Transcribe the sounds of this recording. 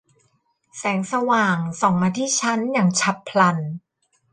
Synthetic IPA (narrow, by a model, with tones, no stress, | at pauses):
sɛː˩˦ŋsa˧waː˨˩ŋsɔ˨˩ŋmaː˧t̪ʰiː˥˩t͡ɕʰa˦˥njaː˨˩ŋt͡ɕʰa˦˥pʰːla˧n